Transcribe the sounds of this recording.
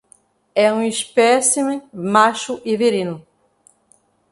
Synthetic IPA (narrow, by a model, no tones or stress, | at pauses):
ɛũispɛsimemaʃʊʔiveɾĩnʊ